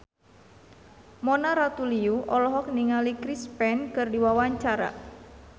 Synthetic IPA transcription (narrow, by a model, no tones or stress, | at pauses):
mɔnaɾat̪uliuʔɔlɔɦɔk̚niŋalikɾispɛnkɨrdiwawaɲt͡ʃaɾa̰